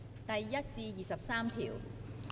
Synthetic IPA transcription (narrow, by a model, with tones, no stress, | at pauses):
t̪ɐ˨jːɐ˥t̚t͡siː˧jiː˨˩sɐ˨p̚saː˥mt̪ʰḭː˨˩w